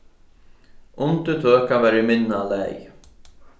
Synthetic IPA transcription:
ʊnt̪ət̪ʰœːkavɛɾɪmɪnːalɛ̰j

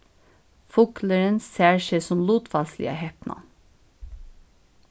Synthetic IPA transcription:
fʊkləɹənsæːɹʃeːsɔmluːt̪fɑslɪ̰ɑ̰hɛpnɑ̰

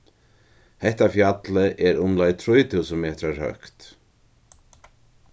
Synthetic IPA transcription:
hɛht̪afjat̪ləʔɛɾʊmlɔjt̪ʰɾujt̪ʰuːsənmeːt̪ɾaɹhœ̰kt̪

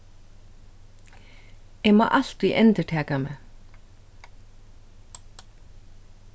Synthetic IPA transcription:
ɪma̰ːʔal̥t̪ɾiʔɛnt̪ɪʈ̪ʰɛːkamɛ

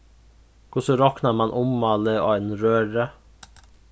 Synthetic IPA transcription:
kʰʊsɔɾɔknaɾmɑnʔʊmːɑləo̰ːenɾøːɾə

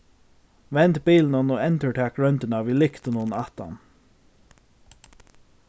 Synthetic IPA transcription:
ʋɛnt̪biːln̩ɔnoːɛnt̪əʈʰæːkɹœnt̪ənɑːʋɪːlɪkt̪ənuːnɑt̪ɑ̰n

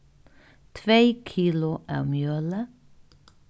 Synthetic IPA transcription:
t̪ʰʋeːkʰiːlʊʔæ̰ːmjøːlə

